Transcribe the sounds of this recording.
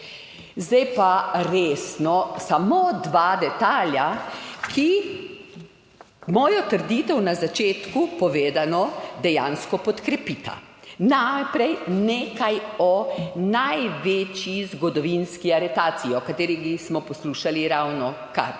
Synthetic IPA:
zd̪ɛjpaɾeːsnɔsamod̪ʋaːd̪ɛt̪aːljakʰi | mɔːjɔt̪əɾd̪iːt̪ɛwnazat͡ʃeːt̪kupɔʋeːd̪anɔd̪ɛjaːnskɔpɔt̪kɾɛpit̪a̰napɾɛjneːkajɔnajʋeːt͡ʃjizɡɔd̪ɔʋinskiaɾɛt̪aːt̪siiɔkat̪eːɾiɡismɔpɔsluːʃaliɾawnɔ | ka̰ɾ

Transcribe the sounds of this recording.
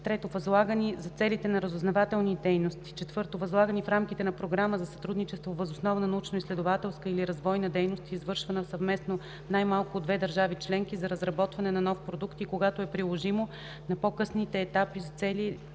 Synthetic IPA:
t̪ɾɛt̪ovɐzlˠaɡənizɐt̪sɛlit̪ɛnɐɾəzʊznɐvat̪ɛlˠnid̪ɛjnost̪i̥t͡ʃɛt̪vɤɾt̪ovɐzlˠaɡənifɾamkit̪ɛnɐpɾoɡɾaməzɐsɐ̥t̪ɾud̪nit͡ʃɛst̪vovəzosnɔvnɐnɐut͡ʃnoislɛd̪ʊvat̪ɛlˠskəiliɾɐzvɔjnɐd̪ɛjnost̪izvɤɾʃvɐnəfsɐvmɛsno | najmalˠkʊːd̪vɛd̪ɐɾʒavit͡ʃlɛŋk̟izɐɾəzɾɐbɔt̪vɐnɛnɐnɔfpɾod̪ukt̪ikoɡat̪oɛpɾilˠoʒimo | nɐpokɤsnit̪ɛːt̪apizɐt̪sɛli

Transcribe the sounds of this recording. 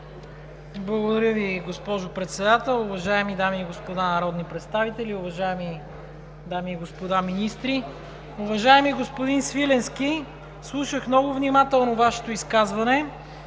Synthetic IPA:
blˠəɡod̪ɐɾʲjəviɡospɔʒopɾɛt̪sɛd̪at̪ɛlˠʊvɐʒaɛmid̪amiːɡospod̪anɐɾɔd̪nipɾɛt̪st̪avit̪ɛlʲiʊvɐʒaɛmi | d̪amiːɡospod̪aminist̪ɾi | ʊvɐʒaɛmiɡospod̪insvilɛnski | slˠuʃəxmnɔɡʊvnimat̪ɛlˠnovaʃɛ̥t̪oiskazvɐnɛ

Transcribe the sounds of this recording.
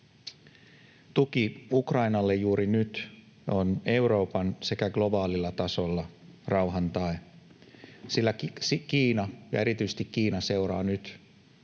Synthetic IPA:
t̪uk̟iukrɑinɑlːe̞jjuːɾinyt̪ | o̞ne̞uwɾo̞ːpɑnse̞kæɡlo̞bɑːlilːɑt̪ɑso̞lːɑrɑwɦɑnt̪ɑe | silːæsikiːnɑjɑ̰e̞ɾit̪yst̪ikkiːnɑse̞wɾɑ̰ːnyt̪

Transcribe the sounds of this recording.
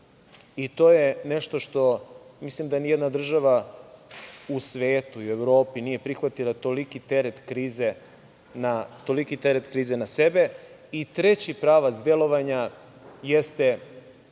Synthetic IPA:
it̪o̞ːjeneʃt̪o̞ʃt̪o̞mislimd̪anijed̪nad̪r̩ʒaʋa | usʋeːt̪uiueʋɾo̞ːpinijepɾixʋat̪ilˠat̪o̞likit̪eɾet̪kɾiːze | nat̪o̞likit̪eɾet̪kɾiːzenasebe̞it̪ɾet͡ɕipɾaːʋat̪szd̪elo̞ʋaɲa | jest̪e̞

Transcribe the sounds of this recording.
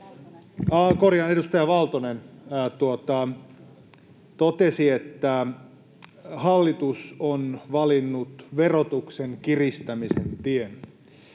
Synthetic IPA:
ɑkorjɑnedust̪ɑjɑʋɑlt̪onent̪uot̪ɑ | t̪ot̪esiet̪ːæ | hɑlːit̪usonʋɑlinːut̪ʋerot̪ukseŋkirist̪æmisḛnt̪ien

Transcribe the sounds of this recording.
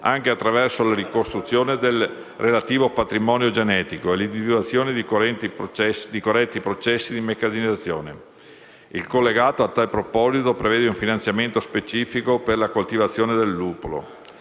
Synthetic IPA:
aŋkeat̪ːɾavɛrsolaɾikost̪ɾut̪sːjoːned̪el | relat̪iːvopat̪ɾimɔnjod͡ʒenɛːt̪ikoelind̪ivid̪wat̪sːjoːned̪it̪id̪ikorːɛt̪ːipɾot͡ʃɛsːid̪imekːaziniat̪sːjoːne | ilkolːeɡaːt̪oat̪ːalpɾopɔzit̪opɾevɛːd̪euɱfinant̪sjament̪ospet͡ʃiːfikoperlakolt̪ivat̪sːjoːned̪elːuːpolo̰

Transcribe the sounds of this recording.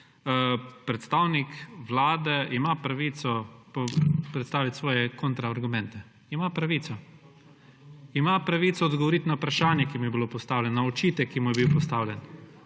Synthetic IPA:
pɾɛt̪st̪aːwnikʋlaːd̪ɛimapɾaʋit̪sɔpɔpɾɛt̪st̪aːʋit̪sʋɔːjɛkont̪ɾaːɾɡʊmɛnt̪ɛ | imapɾaʋiːt̪ɔ | imapɾaʋiːt̪sɔːd̪ɡɔʋɔɾit̪naupɾaʃaːnjɛkimujɛbilopɔst̪aːwlʲɛnnɔɔt͡ʃiːt̪ɛkːimujɛbiwpɔst̪aːwlʲɛn

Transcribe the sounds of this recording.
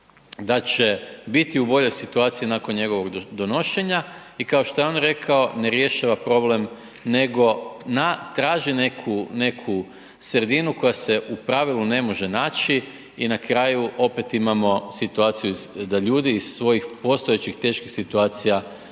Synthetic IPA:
d̪at͡ʃebit̪iubo̞ʎo̞jsit̪uaːt̪sijinaːko̞nɲe̞ɡo̞ʋo̞ɡd̪o̞no̞ʃe̞ɲa | ikao̞ʃt̪ojeo̞nɾe̞kʰao̞ne̞ɾje̞ʃaʋapɾo̞ble̞m | ne̞ɡo̞nat̪ɾaːʒine̞kʰune̞kʰu | sɾed̪inuko̞jase̞ʔupɾaʋilune̞mo̞ʒe̞naːt͡ʃi | inakɾaːjuʔo̞pet̪imamo̞sit̪uaːt̪sijuizd̪aʎuːd̪iːzsʋo̞jixpo̞st̪o̞jet͡ɕixt̪e̞ːʃkixsit̪uaːt̪sija

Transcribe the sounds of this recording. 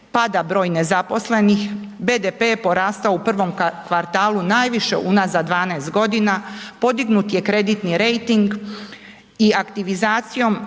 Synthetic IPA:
pad̪abɾo̞ːjne̞zapo̞sle̞nixbed̪epepo̞ɾaːst̪aoupr̩ʋo̞mkʋaɾt̪aːlunaːjʋiʃe̞̰ʔunazad̪ʋaːnaest̪̚ɡo̞d̪inapo̞d̪iɡnut̪je̞kɾe̞d̪it̪niɾe̞jt̪iŋɡ | iakt̪iʋizaːt̪sijo̞m

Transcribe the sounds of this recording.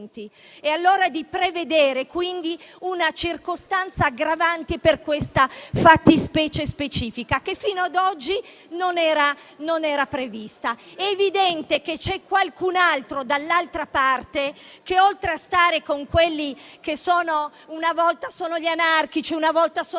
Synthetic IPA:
nt̪i | ealːoːɾad̪ipɾeved̪eːɾekwind̪iunat͡ʃirkost̪ant̪saːɡɾavant̪eperkwest̪afat̪ːispɛːt͡ʃespet͡ʃiːfikakefːiːnoad̪ɔd͡ʒːi | nonɛːɾa | nonɛːɾapɾevist̪aɛːvid̪ɛnt̪eket͡ʃɛkːwalkunalt̪ɾod̪alːalt̪ɾapart̪ekeolt̪ɾeast̪aːɾekoŋkwelːik̟esoːno | unavɔlt̪asoːnoʎanark̟it͡ʃiunavɔlt̪aso

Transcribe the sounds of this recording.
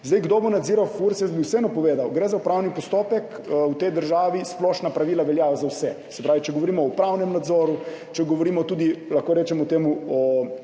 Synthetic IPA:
zd̪ejɡd̪obɔnad̪ziɾawfuɾt̪sjɛsbiwsɛɛnɔpɔʋeːd̪awɡɾɛzaupɾawnipɔst̪oːpɛk | wt̪ɛjd̪əɾʒaːʋisplɔːʃnapɾaʋiːlaʋɛljazawsɛ | sɛpɾaːʋit͡ʃɛɡɔʋɔɾiːmɔɔpɾawnɛmnad̪zoːɾu | t͡ʃɛɡɔʋɔɾimɔt̪uːd̪ilaxkoɾɛːt͡ʃɛmɔt̪eːmuɔ

